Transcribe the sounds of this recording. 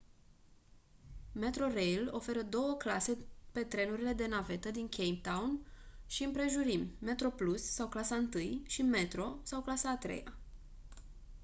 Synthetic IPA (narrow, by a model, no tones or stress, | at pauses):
me̞t̪ɾo̞rejlo̞fe̞ɾəd̪o̞wəklase̞pe̞t̪ɾe̞nuɾile̞d̪e̞nave̞t̪əd̪iŋkʰʲejmp̚t̪awnʃiɨmpɾe̞ʒuɾimːe̞t̪ɾo̞plusːawklasaɨnt̪ɨjʃime̞t̪ɾo̞sawklasaːt̪ɾe̞̰ja̰